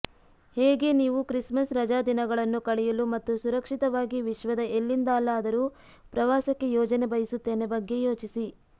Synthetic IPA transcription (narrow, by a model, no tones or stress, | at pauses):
heːɡe̞niːʋukɾismɐsɾɐd͡ʒaːd̪inɐɡɐɭɐnːukɐɭɛjulumɐt̪ːusuɾɐkʂit̪ɐʋaːɡiʋiʃʋɐd̪ɐelːind̪aːlːɐːd̪ɐɾu | pɾɐʋaːsɐkːe̞jɔːd͡ʒɐnebɐjisut̪ːe̞ːne̞bɐɡːe̞joːt͡ʃisi